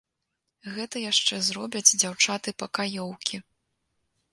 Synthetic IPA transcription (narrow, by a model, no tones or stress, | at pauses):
ɣɛt̪ɐjaʂt͡ʂɛzɾɔbʲɐd͡zʲd͡zʲawt͡ʂat̪ɨpɐkajɔwkʲʰi